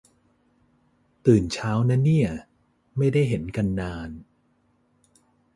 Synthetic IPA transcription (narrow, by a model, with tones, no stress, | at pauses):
t̪ɯː˨˩nt͡ɕʰaː˦˥wna˦˥nːi˥˩ɐ | ma˥˩jda˥˩jɦe˩˦nka˧nːaː˧n